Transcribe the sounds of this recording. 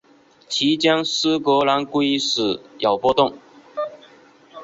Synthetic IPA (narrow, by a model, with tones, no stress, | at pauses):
t͡ɕʰi˧˥t͡ɕjɑ˥ŋsɹ̩˥kwɔ˧˥la˧˥nku˥i˥ʂ̩˨˩jɑ˨˩ʊpwɔ˥t̪ʊ˥˩ŋ